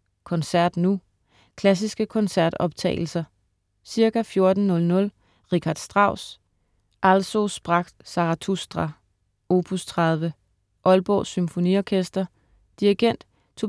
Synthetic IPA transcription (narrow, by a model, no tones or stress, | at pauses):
kʰɒ̽nsæɐ̰d̥nu | kʰlæs̬isɡ̥əkʰɒ̽nsæɐd̥ɒ̽b̥t͡sʰɛ̰ɪl̩sɐ | siɐkæfjo̝ɐd̥n̩nɔ̽lnɔ̽l | ʁikʰɑ̈d̥sd̥ʁɑ̈ʊ̰s | ʔælso̝sb̥ʁɑ̈ɡ̥̚d̥sɑ̈ʁɑt͡sʰusd̥ʁɑ | o̝ːpʰust͡sʰʁɑð̞ˠʋə | ʔɒ̽lb̥ɒ̰symfo̝niɒkʰesd̥ɐ | d̥iʁiɡ̥en̰d̥ | t͡sʰo